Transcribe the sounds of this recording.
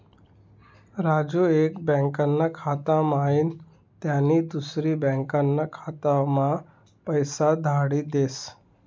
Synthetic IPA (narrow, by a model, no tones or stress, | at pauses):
ɾad͡ʑuekbɛ̃ŋkanːakʰat̪amain | t̪janːiːd̪usɾiːbɛ̃ŋkanːakʰat̪ama | pəjsad̪ʱaɽiːd̪es